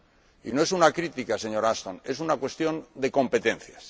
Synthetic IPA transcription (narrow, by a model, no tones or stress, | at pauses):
ḭnoe̞sunakɾit̪ikase̞ɲo̞ɾast̪o̞ne̞s̬unakwe̞st̪jo̞nd̪e̞ko̞mpe̞t̪ẽ̞n̟θjas